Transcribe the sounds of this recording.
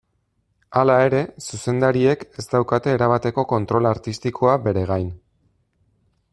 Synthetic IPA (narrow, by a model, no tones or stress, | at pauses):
alae̞ɾe̞suse̞nd̪aɾie̞ke̞zt̪awkat̪e̞ːɾaβ̞at̪e̞ko̞ko̞nt̪ɾo̞laɾt̪ist̪ikʰo̞abe̞ɾe̞ɣ̞ajn